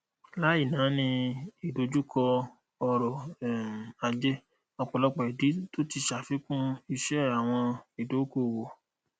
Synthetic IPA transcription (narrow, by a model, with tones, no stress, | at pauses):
la˨˦i˦˨nã˨˦nĩ˧i˨do˨˦d͡ʒu˦kʰɔ˧ | ɔ˧ɾɔ˨m˨a˧d͡ʒe˦ | ɔ˧k͡pɔ˨lɔ˨˦k͡pɔ˨i˨di˨˦to˦ti˧˨ʃa˨fi˨˦kũ˦i˧ʃɛ˦˨a˨w̃ɔ̃˧i˨do˨˦ko˦˨wo˨